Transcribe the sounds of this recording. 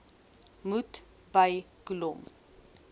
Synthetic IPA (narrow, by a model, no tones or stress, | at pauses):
mut | bɐj | kulɔm